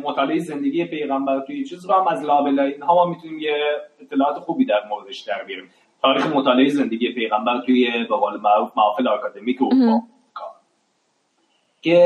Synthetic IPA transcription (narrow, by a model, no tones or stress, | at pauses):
mot̪ʰɒːleʔejeze̞nd̪e̞ɡʲijepʰe̞jɣæmbæɾt̪ʰujet͡ʃʰizbohæmæzlɒːbe̞lɒːeinɦɒːmɒːmit̪ʰuniːmjeːt̪ʰːelɒːɒːt̪ʰeχuːbiːd̪æɾmoɾed̪eʃd̪̥æɾbijɒɾiːm | t̪ʰɒːɾiːxemot̪ʰɒːleejze̞nd̪eɟije̞pʰe̞jɣæmbæɾt̪ʰujebeɣɒːlemæɾufmæɒːfeleɒkʰɑːd̪e̞miːcoɑ | kʰɑ | ce